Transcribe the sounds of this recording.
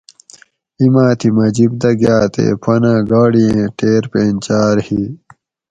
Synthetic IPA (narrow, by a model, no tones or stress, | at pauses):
imãːt̪ʰimɐd͡ʑibd̪ɐɡjaːt̪ḛpʰɐnãːɡaːɽiẽʈeːɾpeːnt͡ɕaːɾhi